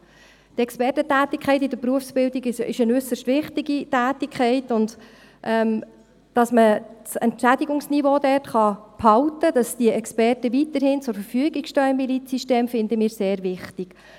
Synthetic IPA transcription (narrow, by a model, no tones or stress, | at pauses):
tɛkspɛrtətæːt̪ɪkʰɛɪtɪdəɾpɾuəfsb̥ɪldiɡɪɪʃənʏsəʃtʋɪχtiɡitæːtikʰχɛɪtʊnd | ʔɛm | d̥ɑsmət͡sɛ̰ntʃæd̪iɡʊŋsnivoːdɛtχɑphɑwtəd̥ɑsd̥iəʔɛkspɛrtəʋitəɾhɪnt͡sʊɾfəɾfyəɡiɡʃtœːɪmilit͡sisteːmfɪnd̪əmiːɾseːɾvɪχtɪɡ̥